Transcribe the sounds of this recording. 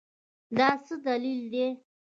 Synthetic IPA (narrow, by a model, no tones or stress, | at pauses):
d̪ɑsəd̪alild̪e